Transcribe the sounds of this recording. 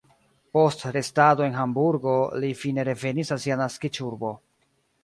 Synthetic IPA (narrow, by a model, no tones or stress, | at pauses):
po̞stɾe̞stado̞e̞nɦambuɾɡo̞lifine̞ɾe̞ve̞nisasianaskit͡ʃuɾbo̞